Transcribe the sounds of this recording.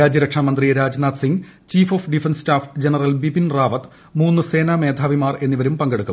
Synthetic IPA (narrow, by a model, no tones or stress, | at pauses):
aːd͡ʑɐɾɐkʂaːmɐnd̪riɾaːd͡ʑnaːd̪siŋɡ | t͡ɕiːfoːfɖifensstaːfd͡ʑenɐrɐlbibinraːʋɐt̪ | muːnːɨse̞ːname̞ːd̪ʱaːʋimaːre̞nːiʋɐɾumpɐŋɡeɽukːu